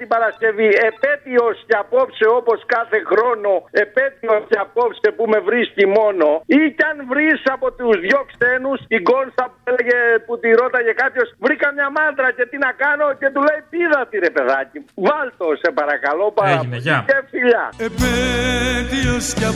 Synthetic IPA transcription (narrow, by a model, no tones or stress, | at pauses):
t̪ibɐɾɐsce̞vie̞pe̞t̪io̞sceɐpo̞pseo̞po̞skɐθe̞xɾo̞no̞e̞pe̞t̪io̞sceɐpo̞psepume̞vɾiscimo̞no̞icɐnvɾisɐpo̞t̪uzðʝo̞kse̞nusiɡo̞nsɐpuele̞ʝe̞put̪iɾo̞t̪ɐce̞kɐpço̞svɾikɐmɲɐmɐnt̪ɾɐce̞t̪inɐkɐno̞ce̞t̪ule̞jpiðɐt̪iɾe̞pe̞ðɐcivɐlt̪o̞sepɐɾɐkɐlo̞pɐɾɐnɐefiʎɐ̰epet̪iosɐ